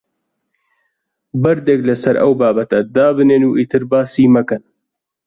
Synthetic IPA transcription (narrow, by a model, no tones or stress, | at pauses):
bɐɾd̪eːklɐsɐɾɐ̰wbaːbɐt̪ɐd̪aːbɨneːnuːʔit̪ʰɨɾbaːsiːmɐkɐn